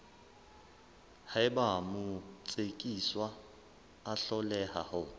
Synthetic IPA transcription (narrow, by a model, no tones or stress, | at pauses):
haɪbamʊt͡sʼekʼiswaː | ɬɔlɛha̰hʊ